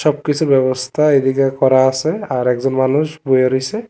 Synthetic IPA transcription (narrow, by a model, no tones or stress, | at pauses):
sɔb̚kisʰubɛbɔst̪ʰaedikakɔɹaːsɛaɹɛkzɔnmanusbojaɹojsɛ